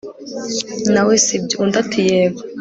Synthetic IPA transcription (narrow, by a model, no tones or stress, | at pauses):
nawesibjoundatʰujeβa